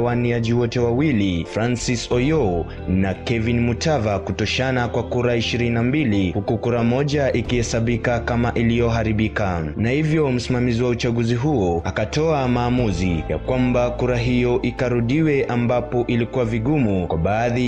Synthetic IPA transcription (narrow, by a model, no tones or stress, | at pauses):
waniaʄiwɔtɛwawilifɾansisɔjɔ | nakɛvinmutavakutɔʃanakwakuɾaiʃiɾininambilihukukuɾamɔʄaʔikihɛsaɓikakamaʔilijɔɦaɾiɓikanahivjɔm̩simamiziwaut͡ʃaɠuziɦuɔakatɔamaːmuzija̰kwambakuɾaɦijɔʔikaɾuɗiwɛʔambapɔʔilikuwaviɡumukwaɓaːði